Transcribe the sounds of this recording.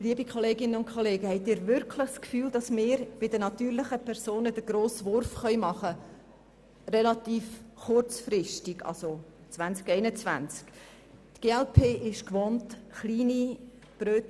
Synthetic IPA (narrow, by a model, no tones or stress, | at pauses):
liəbikχɔleːɡɪnənʊnt̚kʰχɔleːɡəhɛɪtɪːɾvʏɾkʰlɪχskfyːld̥ɑsmɪːɾb̥ɪdənɑtyːɾlɪχəpʰɛɾsoːnədəɡ̥ɾoːsʋʊɾfχœʏmɑχə | rɛlɑt̪iːfχʊrt͡sfɾɪʃtiɡɑ̰lso | t͡svænt͡skɛɪnət͡svæ̰nt͡sk | tɡ̥eːɛlpʰeːʔɪʃkʋontχliːni | b̥ɾøːt